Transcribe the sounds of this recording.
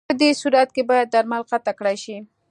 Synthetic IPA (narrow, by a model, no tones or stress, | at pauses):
əd̪esuɾat̪̚kebɑjad̪̚ːaɾmalqat̪akɽajʃi